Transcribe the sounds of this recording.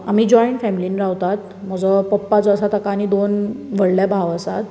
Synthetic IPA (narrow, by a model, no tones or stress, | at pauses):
am̤iːd͡ʑɔjiɳʈfɛmiliːnɾawt̪at̪ | m̤əd͡zəpəpːat͡səəsat̪əkaniːd̪onʋəɽljabʱaʋəsat̪